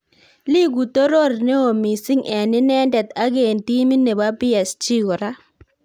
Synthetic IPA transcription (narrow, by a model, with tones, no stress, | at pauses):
li˦ɡu˨t̪o˦ɾo˦˨ɾne˦o˨mi˨si˦ŋɛ˨nɪ˦nɛ˦ndɛ˨t̪a˦ɡe˨nti˦mi˦ne˨ba˦bɪ˦ɛ˨st͡ʃi˦ɡɔ˨ɾa˦